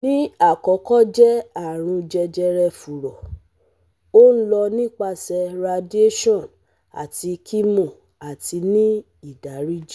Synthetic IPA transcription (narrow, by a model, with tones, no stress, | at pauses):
nĩ˦a˦˨kɔ˨˦kɔ˦d͡ʒɛ˦a˦˨ɾ̃ũ˧d͡ʒɛ˧d͡ʒɛ˧ɾɛ˧fu˨ɾɔ˨ | o˦n̩˦lɔ˧nĩ˦k͡pa˧sɛ˧ɾa˧di˦e˦ʃɔ̃˦˨n | a̰˨ti˧kʰi˦mõ˦˨ | a˨ti˧nĩ˦ | i˦˨da˨˦ɾi˦d͡ʒi˦